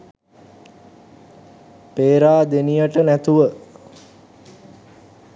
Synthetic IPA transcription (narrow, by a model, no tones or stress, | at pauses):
peːɾaːd̪enijəʈənæt̪uʋə